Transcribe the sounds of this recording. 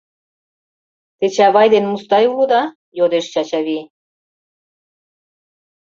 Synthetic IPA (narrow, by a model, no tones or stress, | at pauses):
t̪et͡ɕæβɑjd̪enmust̪ɑjulod̪ɑ | jod̪eʃt͡ɕɑt͡ɕɑβi